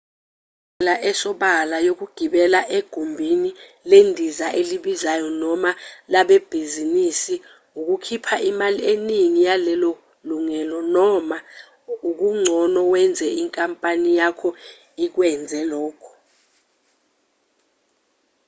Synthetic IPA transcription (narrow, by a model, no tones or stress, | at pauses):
laʔɛsɔɓalajok̬uɡ̥ʱiɓɛlaʔeɡ̥ʱumbʱini | lendʱizaʔeliɓizajɔnɔmalaɓɛb̥ʱizinisi | uk̬ukʰipʰaʔimalieniŋijalɛlɔ | luŋɛlɔnɔma | uk̬uŋ͡ǀʱɔnɔwɛnd͡zʱɛiŋkʼampʼanijakʰɔ | ik̬wɛnd͡zʱɛlɔːkʰɔ̥